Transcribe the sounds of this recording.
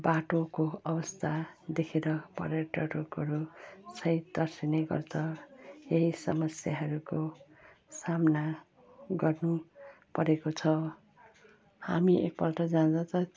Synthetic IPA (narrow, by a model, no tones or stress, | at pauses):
baʈokoʌbʌst̪ʰad̪ekʰeɾʌpʌ̰ɾʌʈʌɾokʌɾusʰʌjd̪ʌrsineɡʌ̰rt͡sʰʌjeɦisʌ̰mʌsjaɦʌɾuko | samna | ɡʌrnu | pʌɾekot͡sʰʌw | ha̰miʔḛk̚pʌlʈʌd͡zãnt͡sʰʌt̪ʌ